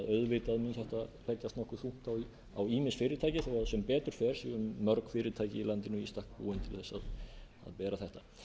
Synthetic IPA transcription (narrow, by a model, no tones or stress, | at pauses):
ðœɥðvɪt̪aðminçɛht̪alʰɛcːast̪nɔhkʏθuh̪t̪aw | a̰wiːmɪsfɪːɾɪt̪ʰaːjcɪθawasɛmpɛːt̪ʏɾ̥fɛːɾ̥siʏmːœɾkfɪːɾɪt̪ʰaːjcɪilant̪ɪnʏist̪ahk̚pṵːɪnt̪ʰɪlθɛsːað | a̰ðpɛːɾaθɛht̪a